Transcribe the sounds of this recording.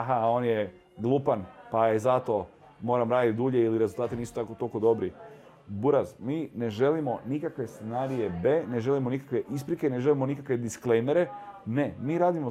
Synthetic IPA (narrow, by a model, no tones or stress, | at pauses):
aɦao̞ːnje | ɡ̪lˠuːpanpajezat̪o̞ | mo̞ːɾamɾaːd̪it̪̚d̪uːʎeiliɾezulˠt̪aːt̪iniːsu̥t̪akot̪olko̞d̪o̞bɾi | buɾazmiːne̞ʒe̞limo̞nikakʋest̪senaːɾije̞be̞ːne̞ʒe̞limo̞nikakʋe̞ʔispɾike̞ine̞ʒe̞limo̞nikakʋe̞d̪isklejmeɾe̞ne̞miːɾaːd̪imo